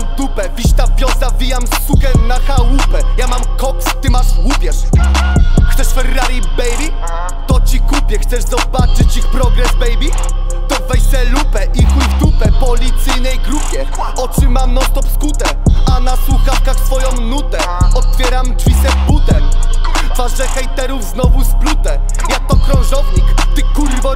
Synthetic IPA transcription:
t̪upɛvʲiʂt̪avʲjɔzavʲijamsukɛnaxawupɛjamamkɔkst̪ɨmaʂwupʲjɛʂ | xt̪sɛʂfɛɾːaɾʲibɛjɾi | t̪ɔt͡ɕikupʲjɛxt̪sɛʐzɔbat͡ʂɘt͡ɕixpɾɔɡɾɛzbɛjbʲi | t̪ɔvɛjsɛlupɛʔixujft̪upɛpɔlʲit̪sɘjnɛjɡɾupʲjɛ | ɔtʂɨmamnɔst̪ɔpskut̪ɛ | anaswuxafkaxt̪fɔjɔ̃w̃nut̪ɛ | ɔt̪̚fʲjɛɾamd͡ʐvʲisɛbut̪ɛm | vaʐɛxɛjt̪ɛɾuvznɔvusplut̪ɛ | jak̚t̪ɔkɾɔ̃w̃ʐɔvɲikt̪ɨkuɾvɔ

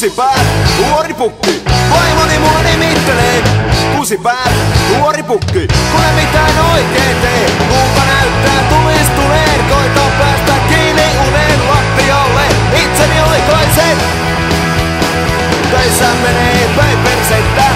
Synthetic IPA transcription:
sipæːltuoripukːikoimonimuɑnimit̪ːelekusipæːlnuoɾipukːikulemit̪æːnoikeːnt̪eːkuːŋkɑnæyt̪ːæːt̪ulist̪uneːnkoit̪opæːst̪ækkiːni | uneːnlɑt̪ːiolːe | it̪seniolikoise | t̪øisːæːmmeneː | pøperset̪ːæː

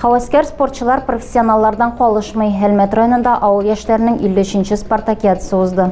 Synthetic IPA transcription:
χɒwæskæɾspo̞rt̪ɕə̆lˠɑɾprofʲe̥sʲːionalˠːɑɾd̪ɑɴqɒlˠɤʃmɤjɦælmæt̪rajonɤ̆nd̪ɑʔɒwɤlˠjæʃlæɾɘɪnɘŋilːɘ̆ɵɕɘ̆nɕɘsport̪akʲat̪ə̥sɤuzd̪ɤ

